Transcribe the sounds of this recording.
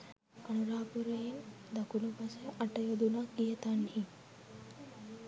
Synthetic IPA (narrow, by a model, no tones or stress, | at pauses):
ɐnuɾaːpuɾəjin | d̪ɐkulupasəʔɐʈəjod̪unakijət̪anhi